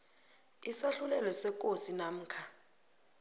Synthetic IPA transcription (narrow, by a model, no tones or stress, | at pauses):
isaɬulɛlɛsɛk̬ʼosinam̩ːkʰa